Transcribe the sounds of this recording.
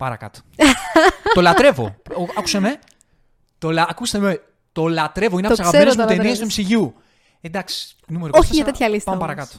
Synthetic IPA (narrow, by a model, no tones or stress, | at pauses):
pɐɾɐ̰kɐ̰t̪o̥ | t̪olɐt̪ɾe̞vo̰ɐku̥seme | t̪olɐkust̪eme | t̪olɐt̪ɾe̞voineɐsɐɣɐɾoz̬mut̪eniɐst̪umisiʝiu | ed̪ɐksi̥ | numeɾoçiɐt̪et̪çɐlispɐmepɐɾɐkɐt̪o̥